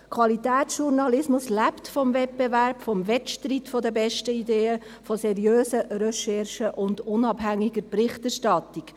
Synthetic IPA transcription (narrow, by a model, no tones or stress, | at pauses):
kʰʋɑlit̪ɛːt̪sʃuɾnɑlɪsmʊslæptfɔmvɛt̚bɛvæɾpfɔmvɛtʃtɾitfɔd̪əbɛʃtəid̪eːə | fɔsɛɾjøːsəɾœʃɛɾʃəʔʊndʊnɑbɦæŋːiɡəɾpɾɪχtɛɾʃtɑtːik